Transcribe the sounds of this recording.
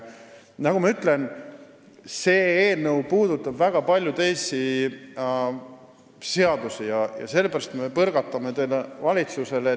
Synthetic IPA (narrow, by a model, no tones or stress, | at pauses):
nɑkumɑyt̪le̞n | se̞ːeːnɤwpuːd̪̥ut̪ːˑɑbvæɡ̥ɑpɑlʲjut̪e̞jsi | se̞ɑd̪̥usijɑjɑ̰se̞lːebæɾɑst̪me̞pɤɾɡ̥ɑt̪ːˑɑme̞t̪elevɑlʲit̪suse̞le